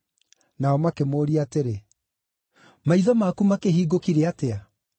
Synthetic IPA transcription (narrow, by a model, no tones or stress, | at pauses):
naɔmakemoːɾiateɾe | maiðɔmakumakeɦiːɡokiɾeatea